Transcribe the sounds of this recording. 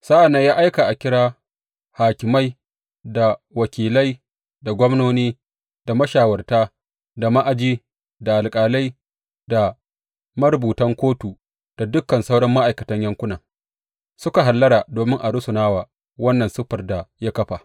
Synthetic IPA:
saː˦ʔa˨nːa˦jaː˦ʔa˦jka˨ʔa˨kʲɪ˦ɽaː˦ | haː˨kʲɪ˨ma˦j | da˨wɐ˨kʲiː˨lɐ˦j | da˨ɡʷɔ˦mnoː˦niː˦ | d̥a˨mɐ˦ʃaː˨wɐ˨rtaː˦ | da˨ma˦ʔa˨d͡ʒiː˦ | da˨ʔa˨lkʼaː˨la˦j | da˨ | mɐ˦ɾbuː˨tɐ˦ŋkʷoː˦tu˨ | d̥a˨dʊ˦kːɐ˨nsa˦wɽɐ˦mːa˦ʔa˨jkɐ˨tɐ˦ɲjɐ˦ŋkʷʊ˦na˨ŋ | sʊ˦ka˨ɦa˨lːɐ˦ɽa˨doː˨mɪ˦ŋʔa˨ɽʊ˦sʊ˨naː˦waː˨ | wɐ˦nːɐ˨nsʊ˦ɸɐ˨rda˨ja˦kɐ˦ɸa˨

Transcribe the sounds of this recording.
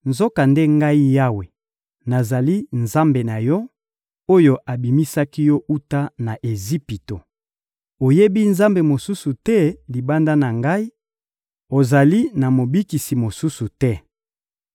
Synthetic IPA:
nzo˦ka˨nde˦ŋɡa˦i˦ja˦we˨ | na˨za˨li˦nza˦mbe˨na˨jɔ˦ | o˦jo˦ʔa˨bi˨mi˦sa˦ki˦jɔ˦ʔu˦ta˦na˨ʔe˨zi˦pi˨to˨ | o˨je˦bi˦nza˦mbe˨mo˨su˦su˨tɛ˦li˨ba˦nda˦na˨ŋɡa˦i˦ | o˨za˨li˦na˨mo˨bi˦ki˨si˨mo˨su˦su˨tɛ˦

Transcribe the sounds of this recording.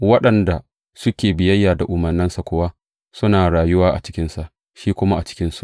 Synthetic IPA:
wɐ˦ɗɐ˨nda˨ | sʊ˦kʲeː˨bɪ˨jɐ˦jːaː˨da˨ʔʊ˨mɐ˨rnɪ˦nsa˨kʷʊ˦wa˦ | sʊ˦naː˨ɽaː˨jʊ˦waː˦ʔa̰˨t͡ʃɪ̥˦kʲɪ˦nsa˨ʔ | ʃiː˦kʷʊ˦ma˦ʔa˨t͡ʃɪ̥˦kʲɪ˦nsu˦ʔ

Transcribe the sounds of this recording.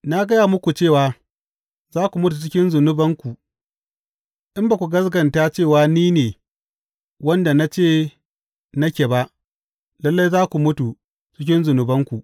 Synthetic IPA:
na˦ɡɐ˦jaː˨mʊ˦kʷu˨t͡ʃeː˦˨waː˨ | zaː˦kʷu˨mʊ˦tu˨t͡ʃɪ˦kʲɪ˦nzʊ˨nʊ˦bɐ˦ŋkʷu˨ | ʔɪ˦mba˨kʷu˨ɡɐ˦sɡɐ˨nta˦t͡ʃeː˦˨waː˦niː˦neː˨ | wɐ˦nda˨na˦t͡ʃeː˦˨ | nɐ˦kʲe˨ba˦ʔ | lɐ˦lːa˦jzaː˦kʷu˨mʊ˦tu˨ | t͡ʃɪ˦k̬ʲɪ˦nzʊ˨nʊ˨bɐ˦ŋkʷu˨ʔ

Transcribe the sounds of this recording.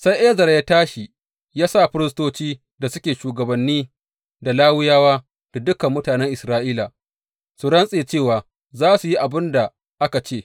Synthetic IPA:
sa˦jʔeː˦zɐ˨ɾja˦taː˦ʃi˨ | jaː˦sa˦˨ɸɪ˦ɾɪ˦stoː˦t͡ʃiː˦ | da˨sʊ˦kʲeː˨ʃuː˨ɡɐ˨bɐ˨nːiː˦ | da˨laː˦wɪ˦jaː˦waː˦ | d̥a˨dʊ˦kɐ˨mːʊ˦taː˨nɛ˦ŋʔɪ˨sɾaː˦ʔiː˦la˨ | su˨ɽɐ˦nsʼeː˨t͡ʃeː˦˨waː˨ | zaː˦su˨ji˦ʔa˨bɪ˦nda˨ | ʔa˦ka˨t͡ʃeː˦˨

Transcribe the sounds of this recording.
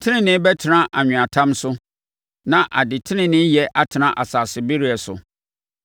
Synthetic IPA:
tʰɪ˦nɪ̃˦nɪ̃˦bɛ˦tʰɪ˨nã˦ʔa˨ɲᶣʊ̃˨a˨tʰã˦msʊ˦ | nã˨ʔa˨dɪ˨tʰɪ˦nɪ̃˦nɪ̃˦jɛ˨ʔa˦tʰɪ˨nã˦ʔa˨saː˨sɪ˨bɪ˦ɾi˦ɛ˨sʊ̰˨

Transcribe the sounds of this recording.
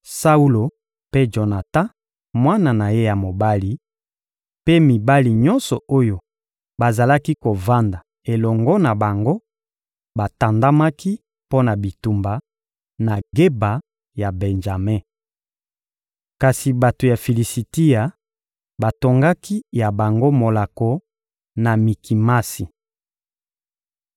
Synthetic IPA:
sa˦u˦lo˨ | pe˦d͡ʒo˨na˨ta˦ | mwa˦na˨na˨je˦ja˨mo˨ba˦li˨ | pe˦mi˨ba˦li˨ɲɔ˦nsɔ˨o˦jo˨ | ba˨za˨la˦ki˦ko˨va˦nda˨ | e˨lɔ˨ŋɡɔ˦na˨ba˨ŋɡo˦ | ba˨ta˨nda˦ma˦ki˦ | po˦na˨bi˨tu˨mba˨ | na˨ɡe˦ba˨ | ja˨bɛ˨nd͡ʒa˨me˦ | ka˨si˨ba˨to˨ja˨fi˨li˨si˨ti˦ja˨ | ba˨to˨ŋɡa˦ki˦ja˨ba˨ŋɡo˦mo˨la˨ko˨ | na˨mi˨ki˨ma˦si˨

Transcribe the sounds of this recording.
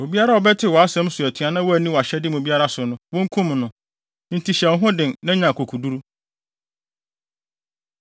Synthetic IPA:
o˨bi˦a˦ɾa˦ɔ˨bɛ˦tʰɪ˦wɔ˨a˦sɛ̃˦m˦sʊ˨æ˨tʰi˨ã˨˦nã˦wɔ˦æ˨nĩ˦wɔ˨a˨ɕɛ˦dɪ˦m˨o˨bi˦a˦ɾa˦sʊ˨nʊ̃˦wõ˦ŋ̩˦kʰũ˦m˨nʊ̃˨ | ɪ̃˦n˦tʰi˨ɕɛ˨ɔ˦ɦʊ̃˦dɪ̃˨nnã˦ɲã˨kʰo˨kʰu˨du˦ɾu˦

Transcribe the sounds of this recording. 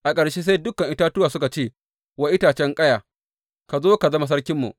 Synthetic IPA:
ʔa˨kʼɐ˨ɽʃeː˦s̬e˦jdʊ˦kɐ˨ŋʔɪ˦taː˦tʊ˦aː˨sʊ˦ka˨t͡ʃeː˦˨ | wɐ˦ʔɪ˦taː˨t͡ʃɛ˦ŋkʼɐ˦jaː˨ | ka˨zoː˦ka˨zɐ˦ma˨s̬ɐ˦ɽkʲɪ˦mːṵ˨ʔ

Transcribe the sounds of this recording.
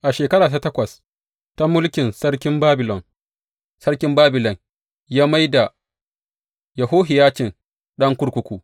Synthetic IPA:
ʔa˨ʃeː˨kɐ˦ɽaː˨ta˦tɐ˦kʷɐ˨s | ta˦mʊ˦lkʲɪ˨nsɐ˦ɽkʲɪ˦mbaː˦bɪ˨lɔ˨n | sɐ˦ɾkʲɪ˦mbaː˦bɪ˨lɔ˨n | jaː˦ma˦jda˨ | jɐ˨ɦoː˦ɦɪ˨jaː˦t͡ʃɪ˨n | ɗɐ˦ŋkʷʊ˦ɽkʷʊ˦kʷuː˨

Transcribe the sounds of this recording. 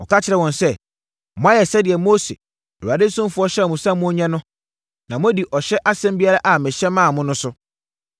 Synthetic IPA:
ɔ̰˨kʰa˦t͡ɕʰɪ˨ɾɛ˨wɔ̃˨nsɛ˦ | mɔ̃˨˦a˦jɛ˨sɛ˦dɪ˨ɛ˨mo˦sḛ˨ | u˨a˨de˦sʊ̃˦mfʊ˦ɔ˦ɕɛ˦˨mʊ̃˨sã˦mʊ̃˦ɔ˦ɲɛ̃˦nʊ̃˦ | nã˨mʊ̃˦di˨ʔɔ˨ɕɛ˦ʔa˦sɛ̃˦mbi˦a˦ɾa˦ʔa˨mɪ̃˨ɕɛ˦mã˦˨mʊ̃˦nʊ̃˦sʊ˦

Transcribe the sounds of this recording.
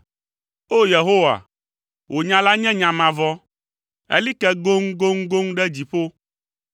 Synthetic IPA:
o˦je˨ɦo˦wa̰˨ | wʔo˨ɲã˨la˦ɲɛ̃˦ɲã˨mã˨vɔ˦ | ḛ˦li˦kɛ˦ɡo˦ŋ˦ɡo˦ŋ̩˦ɡo˦ŋ˦ɖɛ˦d͡ʑi˨ɸo˦

